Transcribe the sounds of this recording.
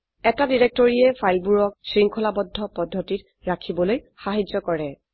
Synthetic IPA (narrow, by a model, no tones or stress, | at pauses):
ɛtadiɹek̚tɔɹiɛfʰajlbuɹɔksɹiŋkʰɔlabɔdʱːɔpɔdʱːɔtit | ɹakʰibɔloj | xaɦid͡ʒɔkɔɹɛ